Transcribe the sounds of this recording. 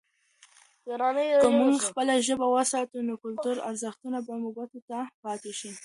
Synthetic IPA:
d̪̥əɾɑnəjkəmuŋɡxpəlaʒəbawəsɑt̪unokʊlt̪uɾa̰ɾzəxt̪unabamubat̪ot̪apɑt̪eʃi

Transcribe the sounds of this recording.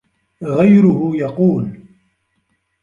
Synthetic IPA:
ɣajɾʊɦʊjɑquːl

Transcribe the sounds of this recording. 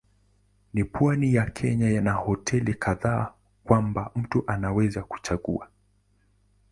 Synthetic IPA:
nipwanijakʰɛɲajanahɔtʰɛlikʰaðaː | kwambam̩tuʔanawɛzaku̥t͡ʃaɠṵa

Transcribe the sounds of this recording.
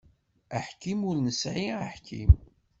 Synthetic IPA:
əħkimʊɾnəsʕiaħkʰḭm

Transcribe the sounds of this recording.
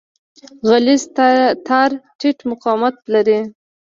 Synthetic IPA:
ɣalizt̪ʰɑɾʈiʈmʊqɑmat̪̚laɾi

